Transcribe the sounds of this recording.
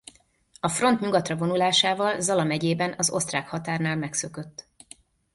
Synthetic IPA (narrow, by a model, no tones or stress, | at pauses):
ɒfro̞nt̪ɲuɡɒt̪rɒvo̞nulaːʃaːvɒlzɒlɒmɛɟeːbɛnɒzo̞st̪raːkhɒt̪aːrnaːlmɛksø̞kø̞t̪ː